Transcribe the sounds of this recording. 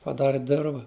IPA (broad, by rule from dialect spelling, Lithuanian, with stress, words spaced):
pɐˈdɑːrʲɪ ˈdʲɪrʋɐ